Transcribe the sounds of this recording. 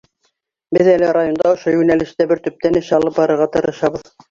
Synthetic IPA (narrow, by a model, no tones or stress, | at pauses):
bɘðælɘrajond̪ɑŏʃojʉnælɘ̆ʃt̪æbɘɾt̪ɵ̆p̚t̪ænɘ̆ʃɑlˠɤp̚bɑɾɤ̆ɾʁɑt̪ɤ̆ɾɤ̆ʃɑβɤð